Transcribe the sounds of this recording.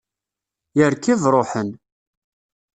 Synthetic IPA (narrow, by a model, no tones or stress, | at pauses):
jəɾkivɾˤoħən